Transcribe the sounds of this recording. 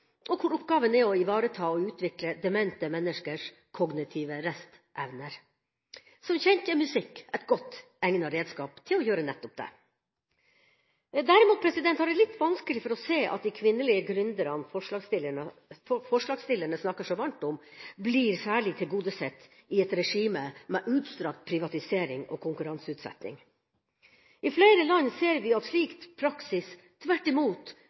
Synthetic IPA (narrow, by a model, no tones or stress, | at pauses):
ʔɔkʰʊɾɔpɡɑːʋənɛɔɪʋɑːɾət̪ʰɑːɔʉːt̪ʰʋɪkləd̪ɛmɛnt̪əmɛnːəʂkəʂ | kʰɔɡnɪt̪ʰiːʋəɾɛst̪ | ʔɛʋnəɾ | sɔmçɛnt̪əmʉsɪkːɛt̪ɡɔt̪ː | ɛŋnɑɾeːd̪skɑːpt̪ʰɪlɔjøːɾənɛt̪ːɔp̚d̪ɛ̰ | d̪æɾɪmuːt̪pʰɾɛsɪd̪ɛnt̪hɑɖɛlɪt̪ːʋɑnskəlɪfɔɾɔseːʔɑ̰t̪̚d̪ɪkʰʋɪnːəlɪəɡɾʉnd̪əɾɑnfɔʂɑsɪlɔfɔʂɭɑːɡst̪ɪlːəɳəsnɑkːəʂɔʋɑɳʈ̪ɔmbliːɾsæːɭɪt̪ʰɪlɡuːd̪əsɛt̪ː | ɪɛt̪ɾɛʂiːməmɛʔʉːt̪st̪ɾɑkt̪̚pʰɾɪʋɑt̪ɪseːɾɪŋɔ̰ːkʰʊŋkʉɾɑnsʉːt̪sɛ̰t̪nɪ̰ŋ | ʔɪfleɪɾəlɑnseːɾʋɪɑt̪ʂliːkt̪pʰɾɑksɪs | t̪ʰːʋæʈːɪmuːt̪